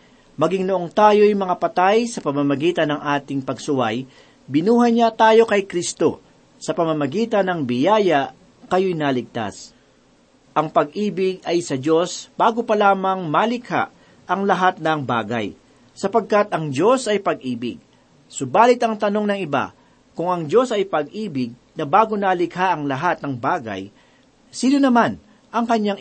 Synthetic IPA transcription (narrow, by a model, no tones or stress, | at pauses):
mɐɡɪŋnoʔo̞ŋt̪aːjo̞jmɐŋapɐt̪ajsɐpɐmamɐɡiːt̪ɐnɐŋʔaːt̪ɪŋpɐɡsʊwaj | bɪnuːɦɐjɲat̪aːjo̞kɐjkɾist̪o̞̰ | sɐpɐmɐmɐɡiːt̪ɐnɐŋbɪjaːjɐʔ | kɐjo̞jnalɪɡ̚t̪a̰s | ʔɐŋpɐɡ̚ʔiːbɪɡ̚ɐjsɐd͡ʒo̞sb̥aːɡo̞pɐlaːmɐŋmɐlɪkha̰ʔ | ʔɐŋlɐɦat̪̚nɐŋba̰ːɡɐ̰j | sɐpɐɡ̚kat̪ɐŋd͡ʒo̞sɐjpɐɡʔiːbɪɡ̚ | sʊbaːlɪt̪ɐŋt̪ɐno̞ŋnɐŋɪba̰ | kʊŋɐŋd͡ʒo̞sɐjpɐɡ̚ʔiːbɪɡ̚ | nɐbaːɡo̞nalɪkhaʔɐŋlɐɦat̪̚nɐŋbaːɡɐ̰j | siːnonɐman | ʔɐŋkɐɲːaŋ